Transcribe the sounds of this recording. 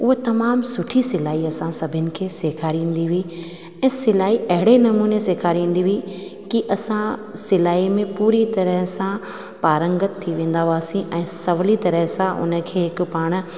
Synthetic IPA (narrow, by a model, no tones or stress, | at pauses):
ʊɦet̪ɐmaːmsʊʈʰisɪlaːiɐsãsɐbʱɪnɪ̆kʰeːseːkʰaːɾĩːn̆d̪iʋi | ɛ̃ːsɪlaːiʔɐɦɪɽenɐmuːneseːkʰaɾĩːn̆d̪iʋikiʔɐsãsɪlaːimẽpuːɾit̪ɐɾəɦsã | paːɾə̃ŋɡɪt̪ʰːiʋẽːn̆d̪aɦuaːsĩʔɛ̃ːsɐʋlit̪ɐɾəɦsãʔʊ̰nə̆kʰeːɦɪkʊ̆paːɽ̃ʊ̆